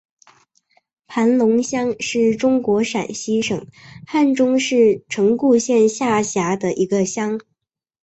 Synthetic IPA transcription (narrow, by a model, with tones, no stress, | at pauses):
pʰa˧˥nlʊ˧˥ŋɕjɑ˥ŋʂɻ̩˥˩ʈ͡ʂʊ˥ŋkwɔ˧˥ʂa̰˨˩nɕi˥ʂɤ̰˨˩˦ŋxa˥˩nʈ͡ʂʊ˥ŋʂɻ̩˥˩ʈ͡ʂʰɤ˧˥ŋku˥˧ɕjɛ˥˧nɕja˥˩ɕja˧˥d̪ə˧ʔi˧˥ɡə˧ɕjɑ˥ŋ